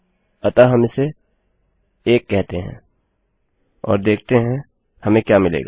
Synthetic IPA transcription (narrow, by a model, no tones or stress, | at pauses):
ɐt̪aɦɐmɪse | eːkːɛɦt̪eɦɛ̰̃ | ɔ̰ːɾd̪eːk̚ʰt̪eɦɛ̃ | hɐmẽkjamɪlḛːɡaː